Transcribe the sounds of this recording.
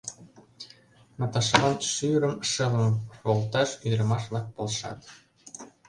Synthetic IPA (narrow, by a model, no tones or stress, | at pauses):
mɑt̪ɑʃɤlɑnʃyɾə̆mʃɤ̆lɤ̆mβolˠt̪ɑʃyd̪ɾə̆mɑʃβlɑk̚polʃɑ̰t̪